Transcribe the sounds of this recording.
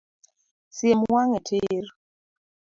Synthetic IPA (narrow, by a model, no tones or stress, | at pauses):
sjemwaŋɛtʰɪr